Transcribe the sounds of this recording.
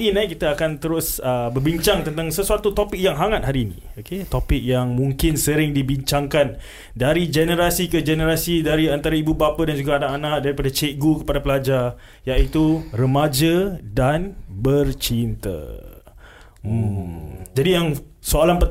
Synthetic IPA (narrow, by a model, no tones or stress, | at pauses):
inakit̪aːkant̪əɾʊsəbərbiɲt͡ʃaŋt̪ənt̪aŋsəsuat̪ut̪opɪk̚jaŋɦaŋat̪̚haɾiːnḭ̃oket̪opɪk̚jaŋmũŋkɪnsəɾɪŋdibiɲt͡ʃaŋkan | daɾid͡ʒɛnəɾasikəd͡ʒɛnəɾasidaɾiant̪aɾaibubapadand͡ʒuɡaːnaʔanak̚daɾipadat͡ʃeʔɡukəpadapəlad͡ʒa | jaʔit̪urəmad͡ʒədanbərt͡ʃint̪ə̰ | d͡ʒadijaŋ | soalanpə